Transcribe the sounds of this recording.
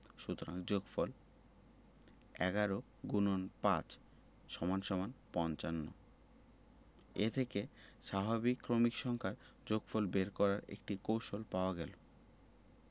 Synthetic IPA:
ʃut̪oɾaŋd͡ʑoɡfɔl | ɛɡaɾo | ɡunonpat͡ɕ | ʃɔmanʃɔmanpɔnt͡ɕanːo̰ | ḛt̪ʰekeʃabʱabikːɾomikʃɔŋkʰaɾ | d͡ʑoɡfolbeɾkɔɾaɾḛkʈikowʃolpaoaɡɛlo

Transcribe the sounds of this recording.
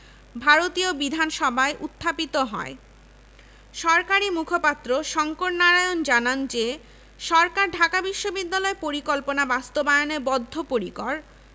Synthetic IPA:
bʱaɾot̪iobid̪ʱanʃɔbʱaeʔut̪ʰːapit̪oɦɔ̰e | ʃɔɾkaɾimukʰopat̪ːɾoʃɔŋkoʈnaɾajond͡ʑanand͡ʑe | ʃɔɾkaɾɖʱakabiʃːobid̪ːalɔepoɾikɔlponabast̪obaeonebɔd̪ʱːopoɾikɔɾ

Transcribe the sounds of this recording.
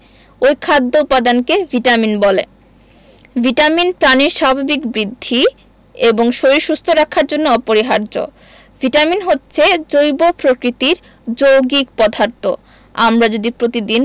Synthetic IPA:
ojkʰad̪ːopad̪ankevʱiʈaminbɔlḛ | vʱiʈaminpɾaniɾʃabʱabikbɾid̪ʱːi | eboŋʃoɾiɾʃust̪ʰoɾakʰaɾd͡ʑonːoɔpoɾiɦaɾd͡ʑo̰ | v̥ʱiʈaminɦotːɕʰed͡ʑojbopɾokɾit̪iɾ | d͡ʑowɡikpɔd̪ʱaɾt̪o | a̰mɾad͡ʑod̪ipɾot̪id̪in

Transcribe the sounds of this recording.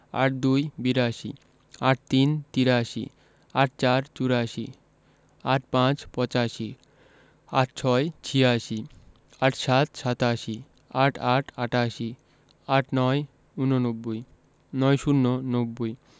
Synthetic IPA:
a̰ʈ̚d̪ujbiɾaʃḭ | aʈ̚t̪int̪iɾaʃḭ | aʈ̚t͡ɕaɾt͡ɕuɾaʃi | aʈ̚pãt͡ɕpɔt͡ɕaʃi | aʈt͡ɕʰɔet͡ɕʰiaʃi | aʈʃat̪ʃat̪aʃi | aʈʰaʈʰaʈaʃi | aʈʰnɔe | unonobːoj | nɔjʃunːonobːoj

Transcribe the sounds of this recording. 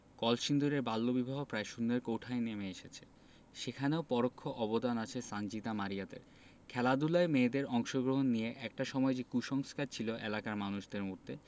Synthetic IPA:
kɔlʃind̪uɾeɾbalːobibʱaɦopɾaeʃund̪eɾkowʈʰaenemeeʃet͡ɕʰe̥ | ʃekʰaneopɔɾokʰːoʔɔbod̪anat͡ɕʰesand͡ʑit̪amaɾijad̪ḛɾ | kʰɛlad̪ulaemeːd̪eɾɔŋʃoɡɾoɦonːijeʔɛk̚ʈaʃɔmɔed͡ʑekuʃɔŋskaɾt͡ɕʰiloʔḛlakaɾmanuʃd̪eɾmod̪ʱːe

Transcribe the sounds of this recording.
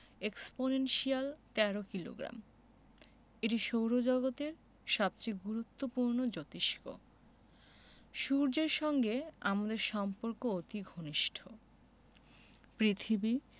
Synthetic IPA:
eksponenʃialt̪ɛɾokilo̰ɡɾa̰m | eʈiʃowɾod͡ʑɔɡot̪eɾ | ʃɔb̚t͡ɕejɡuɾut̪ːopuɾnod͡ʑot̪iʃko̰ | ʃuɾd͡ʑeɾʃɔŋɡeamad̪eɾʃɔmpoɾkoot̪iɡʱoniʃʈʰo | pɾit̪ʰibi

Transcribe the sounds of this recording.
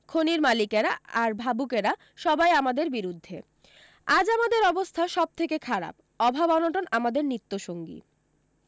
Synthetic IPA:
kʰoniɾmalikeɾaaɾbʱabukeɾa | ʃɔbajamad̪eɾbiɾud̪ʱːe | ad͡ʑamad̪eɾɔbost̪ʰaʃɔb̚t̪ʰekekʰaɾa̰p̚ | ɔbʱabɔnoʈonamad̪eɾnit̪ːoʃoŋɡḭ

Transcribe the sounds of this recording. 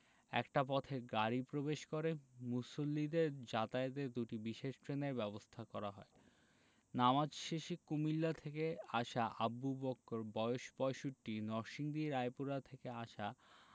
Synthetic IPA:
ɛ̰kʈap̬ɔt̪ʰeɡaɾipɾobeʃkoɾemusolːid̪eɾd͡ʑat̪aet̪ed̪uʈibiʃeʃʈɾeneɾbɛbost̪ʰakɔɾaɦɔe | namad͡ʑʃeʃikumilːat̪ʰekeaʃaʔabːubɔkːoɾbɔjoʃbɔeʃuʈːinɔɾʃiŋd̪iɾajpuɾat̪ʰekeaʃa

